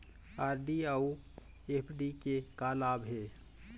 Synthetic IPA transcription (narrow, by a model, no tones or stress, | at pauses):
aːɾɖiau | epʰɖikekalaːbɦeː